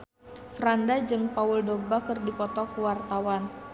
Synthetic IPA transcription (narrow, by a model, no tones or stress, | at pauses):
fɾandad͡ʒɨŋpaʊldoɡ̚bakɨrdipɔt̪ɔkuwart̪awan